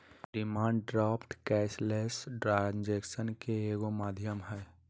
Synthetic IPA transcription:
ɖɪmãːɳɖɖɾaːpʈkɛːslesʈɾand͡ʒeːksənkeeːɡomaːd̪ʱjəmɦɛː

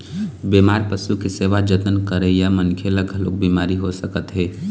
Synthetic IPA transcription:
bemaːɾpəsukeseʋad͡ʒət̪ənkəɾejamənkʰeləɡʱɦəlo̰k̚bimaɾiɦosəkət̪ɦeː

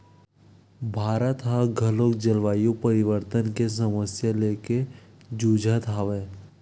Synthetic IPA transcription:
bʱaːɾət̪ɦaɡʱəloːkd͡ʒəlʋaːjupəɾɪʋəɾt̪ənkes̬əməsjaleːke | d͡ʒuːd͡ʒʱat̪ʰaːʋeː

